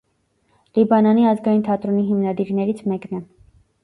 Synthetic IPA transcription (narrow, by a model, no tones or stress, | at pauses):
libɑnɑniɑzɡɑjint̪ʰɑt̪ɾɔniɦimnɑd̪iɾnɛɾit͡sʰmɛknɛ